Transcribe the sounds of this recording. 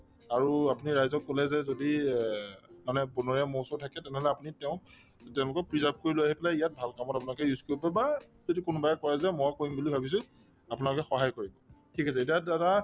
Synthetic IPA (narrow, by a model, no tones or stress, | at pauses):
aɹuapuniɹajzɔkːolɛzɛzodi | manɛbɔnɔɹiamowsɔtʰakɛtɛnɛɦɔlɛapunitɛʊ̃ | tɛʊ̃lʊkɔk̚pɹizap̚koɹiloaɦipɛlaijat̚bʱalkamɔtapunalʊkɛjuzkjuipɛba | zodikʊnʊbajɛkɔɹɛzɛmɔjakoɹimbulibʱabis̬ʊ̃ | apʊunalʊkɛxɔɦajkoɹibɔtʰikas̬ɛetiadɛta